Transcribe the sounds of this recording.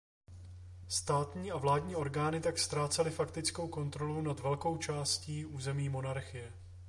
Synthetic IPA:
st̪aːt̪ɲiːʔavlaːdɲiːʔo̞ɾɡaːnɪt̪akst̪ɾaːt͡sɛlɪfakt̪ɪt͡sko̞wko̞nt̪ɾo̞lownat̪vɛlko̞wt͡ʃaːsciːʔuːzɛmiːmo̞naɾxɪjɛ

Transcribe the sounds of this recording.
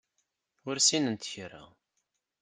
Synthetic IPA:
ʊɾsinənt̪çɾa̰

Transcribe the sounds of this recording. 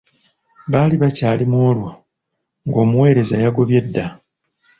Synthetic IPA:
βaːliβacaːlimo̞ːlwa | ŋɡo̞ːmuwe̞ːɾe̞zajaɡo̞βje̞dːa

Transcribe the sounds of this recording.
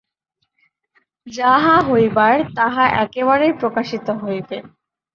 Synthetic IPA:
d͡ʑaɦaɦojbaɾt̪aɦaʔɛkeβaɾejpɾokaʃit̪oɦojben

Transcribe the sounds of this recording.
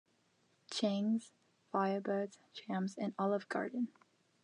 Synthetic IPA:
t͡ʃʰẽŋz̥ | faɪəbɜdz̥t͡ʃʰæ̃mzɨ̃nɑlˠəvɡɑ̰ɹdⁿn̩

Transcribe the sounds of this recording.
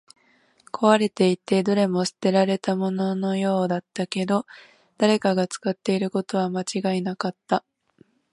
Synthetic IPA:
kʰo̞βaɾe̞t̪e̞it̪e̞d̪o̞ɾe̞mo̞sɨ̥t̪e̞ɾaɾe̞t̪amo̞no̞no̞jo̞ːd̪at̪ːake̞d̪o̞ | d̪̥aɾe̞kaɡat͡sɨ̥kat̪ːe̞iɾɯ̟ko̞t̪o̞β̞amat͡ɕiɡainakat̪ːa

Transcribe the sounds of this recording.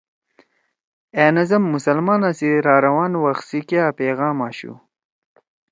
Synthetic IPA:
eːnɐzɐmːʊsɐlmɑːnasiɾɑːɾɐwɑːnwaxsikjaːpeːɣɑːmɑːɕṵ

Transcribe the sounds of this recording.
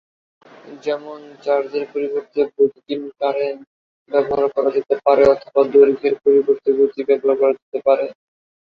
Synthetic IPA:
d͡ʑɛmont͡ɕaɾd͡ʑeɾpoɾiboɾt̪ebod̪ik̪inkaɾen | bɛboɦaɾkɔɾad͡ʑet̪epaɾeɔt̪ʰobad̪oɾɡʱeɾpoɾiboɾt̪iɡot̪ibɛboɦaɾkɔɾad͡ʑet̪epaɾe

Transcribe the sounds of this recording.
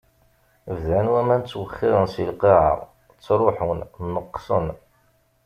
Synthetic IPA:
vðænwæmænt͡sːwəχːɪʁənsilqiʕə̰ʁˤ | t͡sːɾˤoħʊnnəqːsən

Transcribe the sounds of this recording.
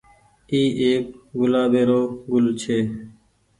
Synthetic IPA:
iːʔeːk̚ɡʊlaːbeːɾoːɡʊlt͡ʃʰeː

